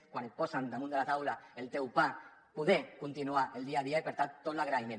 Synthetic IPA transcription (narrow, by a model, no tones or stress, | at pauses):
kwanposand̪emũnd̪elat̪awlaelt̪ewpa | puðekunt̪inuaʔeld̪iaðiaepeɾt̪at̪ːot̪laɣɾajne